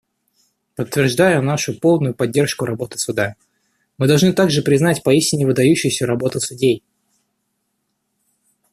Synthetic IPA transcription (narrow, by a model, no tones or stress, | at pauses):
pət̪ːvʲɪrʐd̪ajʊnaʂʊpo̞lˠnʊjʊpɐdʲːe̞rʂkʊɾɐbo̞t̪ɨ̥sʊd̪a | mɨd̪ɐlˠʐnɨt̪aɡʐɨpɾʲɪznatʲpɐisʲtʲɪnʲɪvɨd̪ɐjʉɕːɪjsʲəɾɐbo̞t̪ɨsʊdʲej